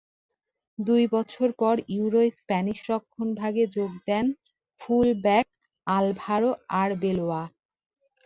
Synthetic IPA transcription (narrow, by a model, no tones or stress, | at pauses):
d̪ujbɔt͡ɕʰoɾpɔɾuuɾoespɛniʃɾɔkʰːonbʱaɡed͡ʑoɡd̪ɛn | fulbɛk̚ | albʱaɾoaɾbeloa